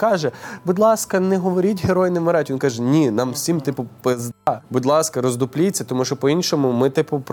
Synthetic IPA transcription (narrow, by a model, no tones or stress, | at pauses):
kɑʒɛbʊd̪lˠɑskɐnɛɦɔʋɔɾʲitʲɦeɾɔjnɪmɔɾɑtʲʋinkɑʒɛnʲinɑmwsʲimt̪ɪpʊpezd̪ɑbʊd̪lˠɑskɐɾɔzd̪ʊplʲit͡sʲːɐt̪ɔmuʃt͡ʃɔpɔinʃɔmʊmɪt̪ɪpʊp